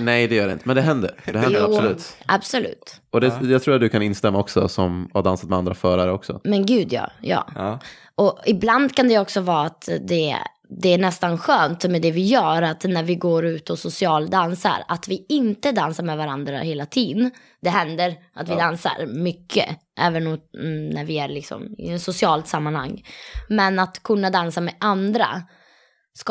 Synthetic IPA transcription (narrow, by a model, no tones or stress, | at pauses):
nɛjd̪ɛjœːɖɛɪ̰nt̪əmɛnd̪ɛɦɛnd̪ə̰ɾd̪ɛhɛnj̪d̪əuːlʉ̟ːt̪ʔa̰bsɔlʉ̟ːt̪ɔd̪ɛjɑat̪ʰɾuːɾat̪̚d̪ɵkʰanɪnst̪ɛmːaɔksɔ̰sɔmaɖ̪ansat̪̚mɛand̪ɾafœːɾaɾəɔksɔ̰mɛnɡʉ̟ːd̪jɑ̰ːjɑ̰ː | ʔɔɪbland̪kʰand̪ɛɔksɔvɑːt̪d̪ɛ | d̪ɛæɳɛst̪anɧøːnt̪mɛd̪ɛvɪjœːɾat̪næɾvɪɡoːɾʉ̟ːt̪ɔsʊsɪɑːld̪ansa̰ɾat̪vɪɪnt̪əd̪ansaɾmɛvaɾand̪ɾa̰heːlat̪ʰiːd̪ən | d̪̥ɛɦɛnd̪əɾ | ʔat̪vɪd̪ansa̰ɾmʏkʰːə̰ | ʔɛːvənnæɾvɪæɾɭɪksɔ̰mɪ̰sʊsɪɑːlt̪samːanha̰ŋːmɛnat̪kʰɵnːad̪ansamɛʔand̪ɾa̰ | sk